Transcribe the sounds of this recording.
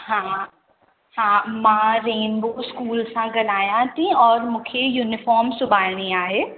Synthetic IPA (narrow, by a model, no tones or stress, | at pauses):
hãː | hãːmãːɾeːnboskuːlsãɡɐlaːjãt̪ʰĩɔːɾmʊ̃kʰejuːnɪfɔːɾmsʊbʱaːlɽ̃iaːɦeː